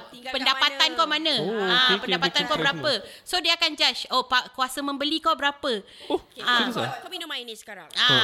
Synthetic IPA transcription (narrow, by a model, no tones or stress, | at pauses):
pəndapat̪ankamãnə̃ãpəndapat̪ankaəɾappəsodiaakand͡ʒaʃopakuasəmə̃mbəlikabəɾapə | ainisə̥kaɾaa